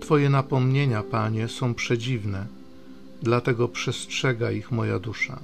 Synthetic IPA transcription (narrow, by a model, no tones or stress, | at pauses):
t̪fɔjɛnapɔmɲeɲapaɲɛsɔ̃w̃pʂɛd͡ʑivnɛ | d̪lat̪ɛɡɔpʂɛstʂɛɡaixmɔja̰d̪uʂa̰